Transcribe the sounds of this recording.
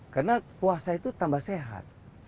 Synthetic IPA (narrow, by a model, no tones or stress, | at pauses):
karnapuasait̪ut̪ambahseɦa̰t̪̚